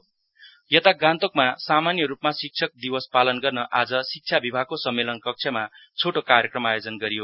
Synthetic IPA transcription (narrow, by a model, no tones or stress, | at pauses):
jʌt̪aɡãnt̪okmasamanjʌɾupmasik̚t͡sʰʌk̚d̪iwʌspalʌnɡʌrnʌʔad͡zʌsik̚t͡sʰjabibʱaɡ̚kosʌmːelʌnkʌk̚t͡sʰʌma | t͡sʰoʈokaɾjʌkrʌmajod͡zʌnɡʌɾijo